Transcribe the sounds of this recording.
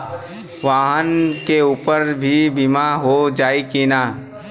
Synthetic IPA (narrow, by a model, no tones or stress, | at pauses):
ʋaːɦənkeuːpəɾbʱibimaɦod͡ʒaːikinaː